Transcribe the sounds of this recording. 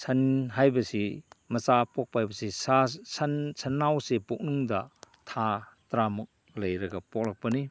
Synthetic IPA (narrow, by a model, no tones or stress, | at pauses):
sʰɐnɦajbɐsimɐsapɔk̚paajbɐsisasɐnsɐnːawsepuk̚nuŋdɐ | tʰatɾamuk̚ | lɐjɾɐɡɐpɔk̚lak̚pɐni